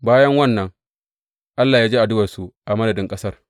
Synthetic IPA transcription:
baː˦jɐ˦ŋwɐ˦nːɐ˨ŋ | ʔa˦lːaː˨jaː˦d͡ʒeː˦ʔa˨dʊ˦wɐ˨su˨ʔa˨mɐ˦dɐ˨dɪ˦ŋkʼɐ˦sɐ˦r

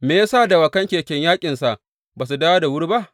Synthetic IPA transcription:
meː˨ja˦saː˦˨da˨wa˨kɐ˦ŋkʲeː˨kʲɛ˦ɲjaː˦kʲʼɪ˨nsa˨ʔ | baː˨s̬u˨daː˦wa˦da˨wʊ˦ɽba˦ʔ

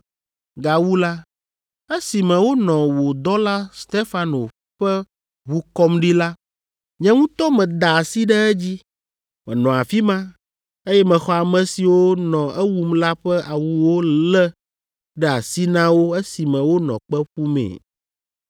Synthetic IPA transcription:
ɡa˨wu˦la˦ | e˦si˨mɛ̃˨wo˦nɔ̃˨wo˨d̪ɔ˦la˦st̪e˦fa˦no̰˨ | ɸɛ˦ | βu˦kɔ˦mɖi˦la˦ | ɲɛ̃˦ŋũ˦t̪ɔ˦mɛ̃˨d̪a˨a˨si˦ɖɛ˦ɛ˦d͡ʑi˦ | mɛ̰̃˨nɔ̃˨a˨fi˦mã˦ | e˦jɛ˦mɛ̃˨xɔ˦a˨mɛ̃˨si˨wo˦nɔ̃˨ʔɛ˦wu˦mla˦ɸɛ˦ʔa˨wu˨wo˦lɛ˦ | ɖɛ˦a˨si˦nã˦wo˦e˦si˨mɛ̃˨wo˦nɔ̰̃˨k͡pɛ˦ɸu˦mɛ̰̃˨

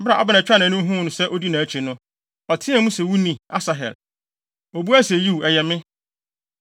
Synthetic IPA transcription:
m̩˦bɾa˨a̰˦ba˨nã˨t͡ɕᶣa˦nã˨nʊ̃˦ɦũ˦˨nʊ̃˨sɛ˦ʔo˦di˦nã˨æ˨t͡ɕʰi˨nʊ̃˦ | ɔ˨tʰɪ̃˦ã˨˦mũ˦sɛ˨wu˦nĩ˨a˦sa˨ɦɛ̰˨l | o˨bu˦æ˦se˨ji˦wɛ˨jɛ˨mɪ̃˦

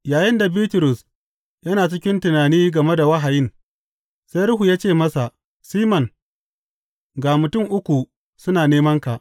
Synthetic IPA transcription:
jaː˨jɪ˦nda˨biː˦tʊ˨ɾʊ˨s | jɐ˦naː˨t͡ʃɪ˦kʲɪ˦ntʊ˨naː˨niː˦ɡɐ˨me˦da˨wɐ˦ɦa˨jɪ˦ŋ | sa˦jɾʊ˦ɦu˨jaː˦t͡ʃeː˦˨mɐ˦sa˨ʔ | siː˦mɐ˨ŋ | ɡaː˨mʊ˨tʊ˦˨ŋʔʊ˦kʷu˨ | sʊ˦naː˨neː˦mɐ˦ŋka˨ʔ

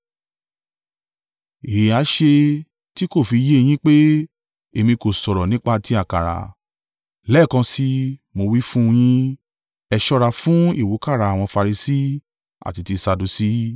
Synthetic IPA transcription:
e˨a˨˦ʃe˧ | ti˦ko˦˨fi˧je˦˧j̃ĩ˦k͡pe˦ | e˧mĩ˧ko˨sɔ˨ɾɔ˨nĩ˦k͡pa˦˧ti˧˦a˦˨ka˨ɾa̰˨ | lɛ˦˨kã˧si˦mo˧wi˦fũ˦˧j̃ĩ˦ | ɛ˧ʃɔ˧ɾa˧˨fũ˦i˦˨wu˨˦ka˦˨ɾa˨˦a˨w̃ɔ̃˧fa˧ɾi˧si˦ | a̰˨ti˧ti˧sa˧du˧si˦

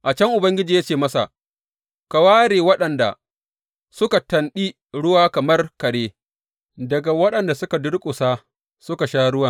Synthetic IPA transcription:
ʔa˨t͡ʃɐ˦ŋʔʊ˨bɐ˦ŋɡʲɪ˦d͡ʒiː˨ja˦t͡ʃeː˨mɐ˦sa̰˨ | ka˨waː˦ɽeː˨wɐ˦ɗɐ˨nda̰˨ | sʊ˦ka˨tɐ˨nɗiː˦ | ɽʊ˦waː˦kɐ˨mɐ˦rkɐ˨ɽeː˦ | dɐ˨ɡa˨wɐ˦ɗɐ˨nda˨sʊ˦ka˨dʊ˦ɽkʷʼʊ˨saː˦ | sʊ˦ka˨ʃaː˦ɽʊ˦waː˨

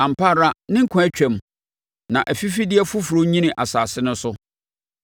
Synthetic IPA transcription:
ã˨m̩˨pʰa˦ɾa˦nɪ̃˦ŋ̩˦kʰʊ̃˦æ˦t͡ɕᶣɛ̃˨m | nã˨ʔæ˨fi˦fi˦dɪ˦ɛ˦fʊ˦fɾo˦ɲĩ˦nɪ̃˨ʔa˨saː˨sɪ˦nʊ̃˦sʊ˦

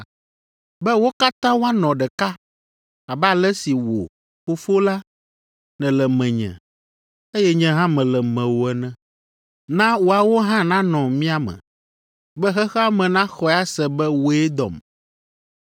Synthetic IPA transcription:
bɛ˦wo˦ka˦t̪ã˦wo˦a˦nɔ̃˨ɖɛ˨ka˦ | a˨bɛ˦a˨lɛ˦si˨wo̰˨ | fo˦fo˦la˦ | nɛ̃˨lɛ˨mɛ̃˨ɲɛ̰̃˨ | e˦jɛ˦ɲɛ̃˦ɦã˦mɛ̃˨lɛ˨mɛ̃˨wo˨ɛ˨nɛ̃˦ | nã˦wo˨a˨wo˦ɦã˦nã˦nɔ̃˨mĩ˦a˨mɛ̰̃˨ | bɛ˦xɛ˦xɛ˦a˦mɛ̃˨nã˦xɔ˦˨a˦sɛ˨bɛ˦wo˦ɛ˦d̪ɔ̰˨m

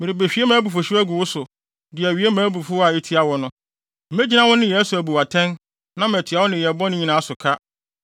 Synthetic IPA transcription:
mɪ̃˨ɾi˨be˨ɕᶣi˨˦e˦mãː˨˦bu˨fo˨ɕi˦æ˦ɡu˨wʊ˦sʊ˨ | dɪ˨æ˨ɥi˨˦e˦mæ̃ː˨˦bu˨fʊ˦a˨e˦tʰi˦a˦wɔ˨nʊ̃˦ | m̩˦mẽ˦d͡ʑi˦nã˦wɔ̃˦nɪ̃˦jɛ˨˦su˨æ˨bu˨wa˨tʰɛ̃˦n | nã˦m˨æ˨tʰɪ˨˦a˦wɔ˦nɪ̃˨jɛ˨bɔ˦nʊ̃˦ɲĩ˨nãː˨˦a˦sʊ˨kʰa˦

